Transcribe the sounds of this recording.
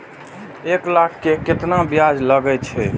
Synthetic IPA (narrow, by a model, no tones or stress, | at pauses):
eklakʰːeket̪nabjad͡ʒləɡɛt͡ʃʰɛ